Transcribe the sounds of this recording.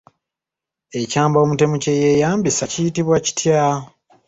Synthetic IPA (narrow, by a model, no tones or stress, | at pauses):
e̞caːmboomute̞muce̞je̞jaːmbisacijitiβwaci̥tʰja